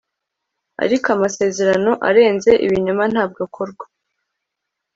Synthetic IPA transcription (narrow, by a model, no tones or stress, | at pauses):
a̰ɾikoamase̞ːze̞ɾano̞ʔa̰ɾe̞ːnze̞ʔḭβiɲoman̥haːb̚ɡokʰoɾɡwḁ